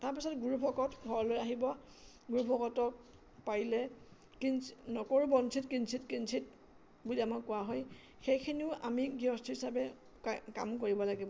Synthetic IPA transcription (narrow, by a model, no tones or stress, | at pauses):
taɹpisɔtɡuɹupʰɔkɔtɡʱɔɹɔlojaɦibɔ | ɡuɹupʰɔkɔtɔk̚ | paɹilɛ | kinsnɔkɔɹubɔnsʰitkinsʰitkinsʰit | buliamakkːʊwaɦɔj | xejkʰiniʊʔa̰miɡiɔstʰiɦisabɛ | ka̰mk̬oɹibɔlaɡibɔ